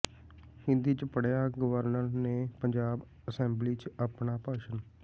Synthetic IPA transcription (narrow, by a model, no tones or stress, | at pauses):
hɪnd̪iːt͡ʃpəɽjaːɡəʋəɾnəɾneːpəɲd͡ʒaːb | əsɛ̃ːmbliːt͡ʃəpɳaːpaːʃən